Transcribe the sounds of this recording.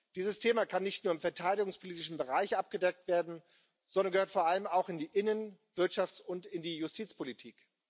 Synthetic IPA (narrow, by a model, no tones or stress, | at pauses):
d̥iːzəstʰeːmakʰanːɪçtnuːɐɪmfɛɐtʰaɪɾɪɡʊŋspʰoliːtɪʃn̩bəʁaɪçʔap̚ɡ̥ədɛk̚tv̥eːɐdn̩ | z̥ɔndɐnɡəhøːɐtfoːɐʔaləmaʊxɪndiːʔɪnənv̥ɪɐtʃaft͡sʊntɪndiːjʊstʰiːt͡spʰolitʰḭːk